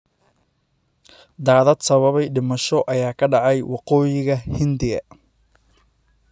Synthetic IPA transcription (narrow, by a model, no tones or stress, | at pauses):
d̪aːðɐd̪sɐβɐβɛjɖɪmɐʃɔʔɐjaːkʰɐɖɑʕɑjwɑqɔːjɪɣɐhɪnd̪ɪɣɐ̰